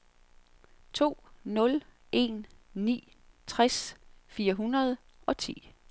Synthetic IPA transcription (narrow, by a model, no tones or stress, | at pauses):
t͡sʰo̝̰ːnɔ̽l | ʔe̝̰nːḭː | t͡sʰʁasfiːɐɦunɐð̞ˠ | ʔɒ̽t͡sʰḭː